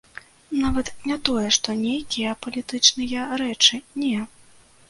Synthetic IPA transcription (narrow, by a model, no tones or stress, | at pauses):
navɐt̪nʲat̪ɔjɛʂt̪ɔnʲejkʲijɐpɐlʲit̪ɨt͡ʂnɨjɐɾɛt͡ʂɨnʲɛ